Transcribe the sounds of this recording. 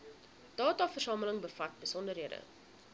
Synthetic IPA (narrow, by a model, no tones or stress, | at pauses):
d̥ɑːtɑːfərsɑːmələŋbəfɐt̚bəsɔndərɦiədə̰